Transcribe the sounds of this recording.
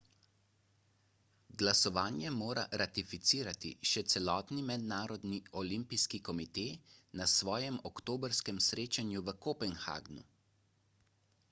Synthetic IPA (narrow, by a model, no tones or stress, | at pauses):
ɡlasɔʋaːnjɛmoːɾa̰ɾat̪ifit̪siːɾat̪ḭʃɛt̪sɛlɔːt̪nimɛd̪naːɾɔd̪niɔlimpiskikɔmit̪eːnasʋɔːjɛmɔkt̪oːbəɾskɛmsɾeːt͡ʃanjuʋəkɔpɛnxa̰ːɡnu